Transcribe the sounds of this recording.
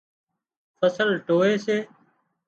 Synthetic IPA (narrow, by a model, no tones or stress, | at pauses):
fəsəlʈoːeːseː